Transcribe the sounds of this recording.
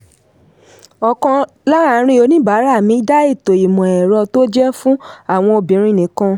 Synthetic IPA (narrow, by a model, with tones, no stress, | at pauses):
ɔ˧kɔ̃˧ | la˦ɾa˦˨˦ɾ̃ĩ˧˦o˧˦nĩ˦ba˨˦ɾa˦˨mĩ˨˦da˦i˦˨to˨i˨mɔ̃˨ɛ˨ɾɔ˧to˦d͡ʒɛ˦fũ˦a˦˨w̃ɔ̃˧o˧bĩ˨˦ɾ̃ĩ˦˨nĩ˨˦kã˧